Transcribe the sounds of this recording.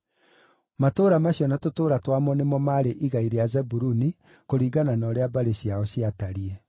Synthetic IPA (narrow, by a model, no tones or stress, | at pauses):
matoːɾamaɕiɔnatotoːɾatwamɔnemɔmaɾeʔiɣaiɾeazɛbuɾuni | koɾiːɡananɔɾeabaɾeɕiaɔɕiataɾiɛ